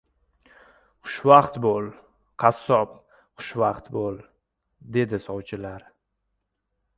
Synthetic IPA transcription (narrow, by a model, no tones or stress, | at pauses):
χʊ̥ʃvaqt̪bolˠ | qʰɑsːɒp | χʊ̥ʃvaqt̪bol | d̪e̞d̪ɪsɒwt͡ʃʰɪlaɾ